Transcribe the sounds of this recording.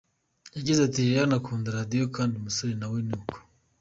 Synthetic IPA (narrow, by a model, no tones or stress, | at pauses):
jaɡizatijanakʰuːndaɾadijokaːndimusoɾinawinuuko̥